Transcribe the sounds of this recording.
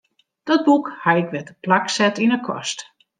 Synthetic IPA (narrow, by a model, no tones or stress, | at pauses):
d̥ɔt̚bukhajɪkʋɛtəplaksɛtinəkʰɔ̰st